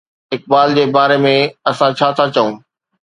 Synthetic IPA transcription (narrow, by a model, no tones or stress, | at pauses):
ɪk̚baːld͡ʑeːbaːɾemẽɐsãt͡ɕʰaːt̪ʰat͡ɕɐũː